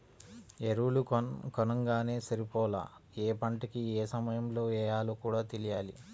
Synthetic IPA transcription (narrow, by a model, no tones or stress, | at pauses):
eɾulukkɔnɐŋɡaːne̞ːsɐɾipɔːla̰ːeːpɐɳʈikieːsɐmɐjɐmlo̞ːɛːjaːluːkuːɽaːt̪elijaːlḭ